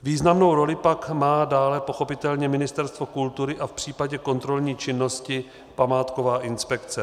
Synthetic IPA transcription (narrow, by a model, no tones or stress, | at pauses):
viːznamno̞wɾo̞lɪpakmaːdaːlɛpo̞xo̞pɪt̪ɛlɲɛmɪnɪst̪ɛɾst̪vo̞kult̪uɾɪʔafpr̝̥iːpaɟɛko̞nt̪ɾo̞lɲiːt͡ʃɪnːo̞scɪ | pamaːt̪ko̞vaːʔɪnspɛkt͡sɛ